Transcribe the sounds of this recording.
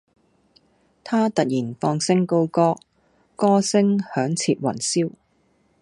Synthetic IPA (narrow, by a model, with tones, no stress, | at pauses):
t̪ʰaː˥t̪ɐ˨t̚jiː˨˩nfɔː˧ŋsɪ˥ŋko˥wkɔː˥ | kɔː˥sɪ˥ŋhœː˨˥ŋt͡sʰiː˧t̚wɐ̰˨˩nsiː˥w